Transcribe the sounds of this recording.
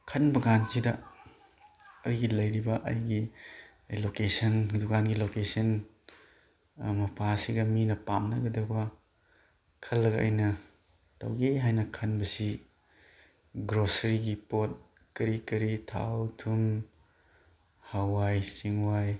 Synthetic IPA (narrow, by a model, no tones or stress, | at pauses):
kʰɐnbɐɡansidɐ | ɐjɡilɐjɾibɐʔɐ̰jɡi | lokesɐndukanɡilokesɐn | mɐpʰasiɡɐminɐpamnɐɡɐdɐkbɐ | kʰɐlːɐɡɐ̰jnɐ | tɐ̰wɡeɦajnɐkʰɐnbɐsi | ɡɾosɐɾiɡipot̚ | kɐɾikɐɾitʰa̰wtʰum | hawːajsiŋwaj